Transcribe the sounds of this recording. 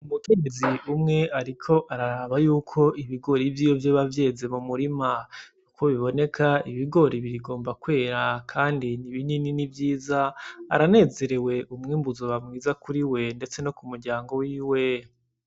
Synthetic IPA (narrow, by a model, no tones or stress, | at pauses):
umute̞ɡe̞ziʔumŋe̞aɾikʰo̞ʔaɾaɾaβajuːkʰo̞iβiɡo̞ɾivjiːjovjoβavje̞ːze̞mumuɾimajuko̞βiβo̞ne̞kʰaiβiɡo̞ɾiβiɾiɡo̞ːmbakwe̞ːɾakʰaːndiniβinininivjiːzaa̰ɾane̞ːze̞ɾe̞we̞ʔumŋiːmbuzoβamŋiːzakuɾiwe̞nde̞t͡se̞no̞kumuɾɟaːŋɡo̞wiːwe̞